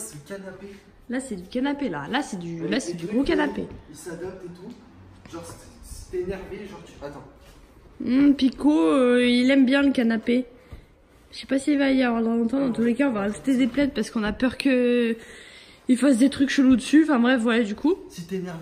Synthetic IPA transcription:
kanape | lasɛd̪ykanapela̰lasɛd̪ylasɛd̪yɡʁokanapeilsad̪ap̚d̪et̪u | ʒɔ̃ʁssi̥t̪enɛʁveʒɔ̃ʁt̪yat̪ɑ̃ | m̩pikoøilɛmbjɛ̃ləkanape | ʃɛpasiilvaiavwaʁd̪ʁlɔ̃t̪ɑ̃d̪ɑ̃t̪ulekaɔ̃vaat̪i̥t̪ed̪eplɛt̪̚paʁsə̥kɔ̃napœʁkə | ilfas̬d̪et̪χykʃəlud̪əsỹfɛ̃bʁɛfvwajad̪ykʰusit̪enɛʁv

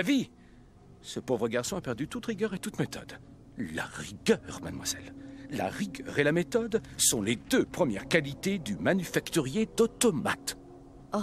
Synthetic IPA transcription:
avi | səpovʁəɡaʁsɔ̃apɛʁd̪yt̪ut̪ʁiɡʲœʁet̪ut̪met̪ɔ̰d̪ | la̰ʁiɡœʁma̰d̪mwaz̥ɛ̰lla̰ʁiɡœʁelamet̪ɔd̪sɔ̃led̪øpχəmjɛʁkalit̪ed̪ymanyfakt̪yʁjed̪ɔt̪ɔma̰t̪

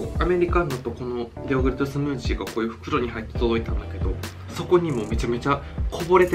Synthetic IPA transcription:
ame̞ɾʲikanːot̪o̞ko̞no̞ | d̪ʲeoɡɯ̟ɾit̪osɨmɯ̟ːʑiːɡako̞ːjɯ̟ːɸɯ̟̥kɯ̟ɾo̞ɲ̟ihait̪ːet̪o̞d̪o̞it̪ãnd̪ake̞d̪o̞ | so̞ko̞ɲ̟imo̞me̞t͡ɕame̞t͡ɕa | kʰo̞bo̞ɾe̞t̪e

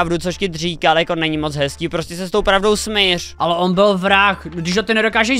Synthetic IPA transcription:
vdut͡soʃcɪr̝iːkaljako̞nɛɲɪmot͡sɦɛskiːpɾoscɛsɛst̪owpɾavdo̞wsmɪrʔalɛʔonbɪlvɾaxdɪʒɦot̪ɪnɛdokaːʒɛ

